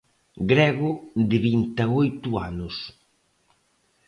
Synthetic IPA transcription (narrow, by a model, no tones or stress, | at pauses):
ɡɾɛɣʊd̪ɪβint̪aojt̪ʊa̰nʊs